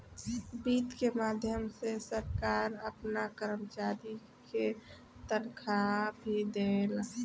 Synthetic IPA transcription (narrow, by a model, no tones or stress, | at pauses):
biːt̪kemaːd̪ʱjəmsesəɾkaːɾəpnakəɾəmt͡ʃaɾi | ke | t̪ənkʰabʱid̪el